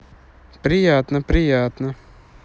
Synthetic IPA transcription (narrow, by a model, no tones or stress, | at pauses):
pɾʲɪjaːt̪nəpɾʲɪjaːt̪nə